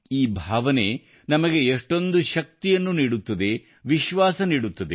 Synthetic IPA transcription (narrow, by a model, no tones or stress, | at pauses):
iːbʱaːʋɐne̞ | nɐmɐɡe̞eʂʈo̞nd̪uʃɐk̚t̪ijɐnːuniːɽut̪ːɐd̪e̞ | ʋiʃʋaːsɐniːɽut̪ːɐd̪e